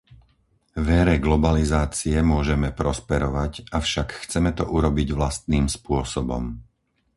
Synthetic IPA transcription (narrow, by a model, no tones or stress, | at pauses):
ʋɛɾɛɡlɔbalizaːt͡siɛmʊɔʒɛmɛpɾɔspɛɾɔʋacafʃakxt͡sɛmɛt̪ɔʔuɾɔbiɟʋlast̪niːmspʊɔsɔbɔ̰m